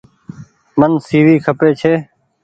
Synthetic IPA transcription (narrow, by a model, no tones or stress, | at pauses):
mənsiːʋiːkʰəpeːt͡ʃʰeː